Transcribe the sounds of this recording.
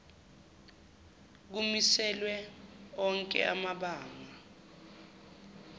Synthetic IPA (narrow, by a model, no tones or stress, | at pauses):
k̬umisɛlwɛɔŋkʼɛ̰amaɓaːŋa